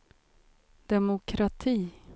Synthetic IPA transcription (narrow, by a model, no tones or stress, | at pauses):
d̪̥ɛmʊkʰɾat̪ʰiː